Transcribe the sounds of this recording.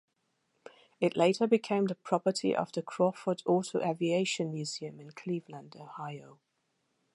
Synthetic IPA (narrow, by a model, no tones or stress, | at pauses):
ɪʔleɪtʰəbɪkʰẽɪ̃mðəpʰɹ̥ɒpətʰḭʔə̰vðəkʰɹ̥ɔˑfədɔˑtʰəʊʔavieɪʃə̃nmjʉːziə̃mɪ̃nkʰl̥iːvlə̃ndoʊhaɪoʊ